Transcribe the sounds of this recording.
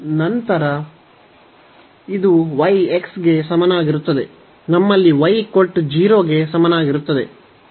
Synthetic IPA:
nɐnt̪ɐɾɐ | id̪uʋɐjeksɡe̞sɐmɐnaːɡiɾut̪ːɐd̪e̞ | nɐmːɐlːiʋɐjkoʈːd͡ʒiːɾoːɡe̞sɐmɐnaːɡiɾut̪ːɐd̪e̞̰

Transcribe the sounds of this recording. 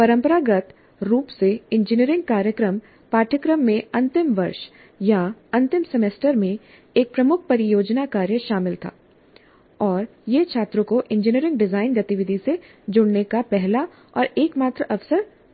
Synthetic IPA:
pɐɾə̃mpəɾaɡət̪ | ɾuːpseɪ̃nd͡ʒɪniəɾɪ̃ŋɡ̚kaːɾjəkɾəm | paːʈʰəkɾəmːẽɐ̃nt̪ɪmʋɐɾʃ | jaɐ̃nt̪ɪmsɛmeːsʈəɾmẽ | eːk̚pɾɐmʊkʰpɐɾɪjoːd͡ʒnakaːɾjəʃaːmɪlt̪ʰa̰ː | ɔːɾ | jet͡ʃʰaːt̪ɾõkoʔɪ̃nd͡ʒɪniəɾɪ̃ŋɡɖɪzaːɪnɡɐt̪iʋɪd̪ʱise | d͡ʒʊɽnekapɛɦla | ɔːɾeːkmaːt̪ɾəʔɐfsəɾ

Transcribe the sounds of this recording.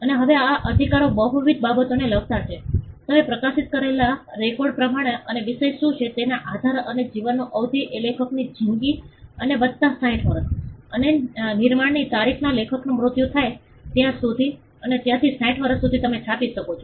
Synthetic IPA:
əneɦəʋeaʔəd̪ʱikaɾobəɦuʋit̪̚babət̪oneləɡ̚t̪at͡ʃʰet̪əmepɾəkasit̪̚kəɾelaɾekoɖ̚pɾəmaɽ̃eəneʋiʃeʃːũt͡ʃʰet̪enaʔad̪ʱaɾəned͡ʒiʋənːoʔəʋd̪ʱiʔelekʰəknid͡ʒʱiŋɡiənebəd̪t̪ãsãĩʈʰʋəɾəsənenɪɾmaɽnit̪aɾikʰnalekʰəknumɾʊt̪jut̪ʰaj | t̪jãsud̪ʱi | ənet̪jãt̪ʰisãĩʈʋəɾəsud̪ʱit̪əmet͡ʃʰapiʃəkot͡ʃʰo

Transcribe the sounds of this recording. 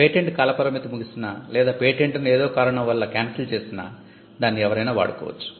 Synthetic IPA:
peːʈeɳʈkɐlɐpɐɾɐmit̪ɐmuɡisinaːlɛːd̪aːpeːʈeɳʈnueːd̪o̞ːkaːɾɐɳɐmʋɐlːɐkaːnsɐlt͡ʃe̞ːsina̰ː | d̪aːnːiɛʋɐɾɐjnaːʋa̰ːɽukɔ̰ːʋɐ̰t͡ʃːu̥

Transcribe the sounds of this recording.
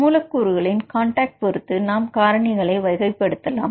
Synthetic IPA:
uːlɐkːuːɾɯɣɐɭɪnkaːɳʈaːk̚ʈ̚pɔɾɯt̪ːɯnaːmkaːɾɐɳɪɣɐɭɐɪʋɐɪɣɐɪpːɛɽɯt̪ːɐla̰ːm

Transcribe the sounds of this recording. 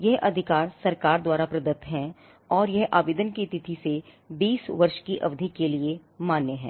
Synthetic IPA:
jɛɦʔɐd̪ʱɪkaːɾsɐɾkaːɾd̪waːɾapɾɐd̪ət̪ɦɛ̃ | ɔːɾjɐɦʔa̰ːʋeːd̪ənkit̪ɪt̪ʰise | biːsʋɐɾʃkiʔɐ̰ʋd̪ʱikeliemaːnːeɦɛ̰̃ː

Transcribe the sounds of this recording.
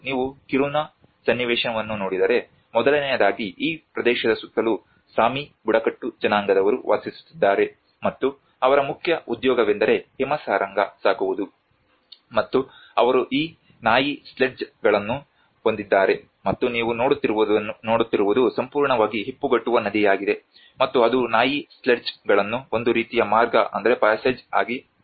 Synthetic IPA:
niːʋukiɾuːna | sɐnːiʋɛːʂɐnɐʋɐnːunoːɽid̪ɐɾe̞ | mɔd̪ɐlɐnɛjɐd̪aːɡiʔiːpɾɐd̪ɛːʃɐd̪ɐsut̪ːɐlu | saːmibuɽɐkɐʈːud͡ʒɐnaːŋɡɐd̪ɐʋɐɾṵʋʔa̰d̪sisu̥t̪ːid̪ːaːɾe̞ | mɐt̪ːu | ɐʋɐɾɐmukʰjɐʔud̪jɔːɡɐʋend̪ɐɾe̞hɛmɐsaːɾʔɐŋɡɐsaːkuʋud̪u | mɐt̪ːu | ɐʋɐɾuʔiː | naːjisleʈd͡ʒɡɐɭɐnːu | o̞nd̪id̪ːaːɾe̞ | mɐt̪ːuniːʋuno̞ːɽut̪ːiɾnoːɽut̪ːiɾuʋud̪usɐmpuːɾɳɐʋaːɡiɦipːuɡɐʈːuʋɐnɐd̪ijaːɡid̪e̞ | mɐt̪ːuɐd̪unaːjisleɖd͡ʒɡɐɭɐnːuond̪uɾiːt̪ijɐmaːɾɡɐʔɐ̰nd̪ɐɾe̞paːseːd͡ʒa̰ːɡi

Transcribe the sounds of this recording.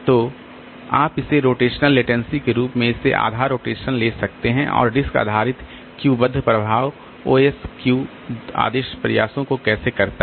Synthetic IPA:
t̪oː | aːpɪseɾoːʈeːʃnəlːeːʈɛ̃ːnsikeɾuːpmẽɪsḛʔa̰ːd̪ʱaːɾoːʈeːʃənleːsɐk̚t̪eɦɛ̃ʔɔ̰ːɾɖɪska̰ːd̪ʱaːɾɪt̪ | kjuːbɐd̪ʱːəpɾɐbʱaːʋ | oːɛskjuː | a̰ːd̪eːʃpɾɐ̰ja̰ːsõkokɛːsekɐɾt̪a

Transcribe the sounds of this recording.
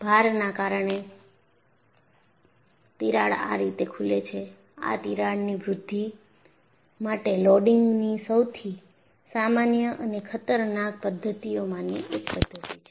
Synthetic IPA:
bʱaɾnakaɾəɳe | t̪iɾaɽa̰ɾit̪ekʰulet͡ʃʰe | a̰t̪iɾaɽniʋɾʊd̪ʱːi | maʈelɔɖɪŋɡnisəwt̪ʰi | samanjəʔənekʰət̪əɾnak̚pəd̪ʱːət̪ijomãniʔek̚pəd̪ʱːət̪it͡ʃʰe̥

